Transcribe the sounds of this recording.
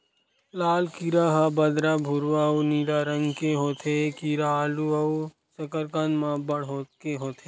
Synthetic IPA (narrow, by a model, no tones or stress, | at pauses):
laːlkiɾaɦabəd̪ɾabʱʊɾʋaoniːlaːɾə̃ŋɡkeɦoːt̪ʰekiɾaːluɐu | sɐkəɾkanmãːbəɽɦoːkeɦoːt̪ʰeː